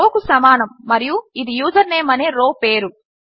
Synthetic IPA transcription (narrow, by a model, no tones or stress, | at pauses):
oːkusɐmaːnɐmːɐɾijuid̪ijuːd͡ʒɐɾneːmɐneːɾoːpe̞ːɾu